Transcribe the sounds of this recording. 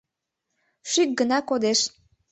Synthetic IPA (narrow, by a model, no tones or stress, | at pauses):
ʃyk̚ɡənɑkod̪eʃ